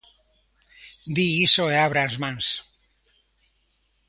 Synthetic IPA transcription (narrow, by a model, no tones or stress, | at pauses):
d̪iisoeaβɾazmans